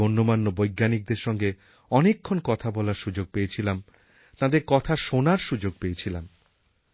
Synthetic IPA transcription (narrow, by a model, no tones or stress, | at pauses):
onːomanːobojɡːanik̚d̪eɾʃɔŋɡe | ɔnekʰːonkɔt̪ʰabɔlaɾʃud͡ʑoɡ̚pejet͡ɕʰilam | t̪ãd̪eɾkɔt̪ʰaʃonaɾʃud͡ʑoɡ̚peet͡ɕʰilam